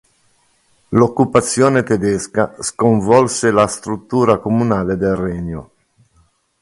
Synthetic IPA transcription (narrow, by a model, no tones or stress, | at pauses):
lokːupat̪sːjɔːnet̪ed̪ɛskaskoɱvɔlselast̪ɾut̪ːuːɾakomunaːled̪elrɛɲːo̰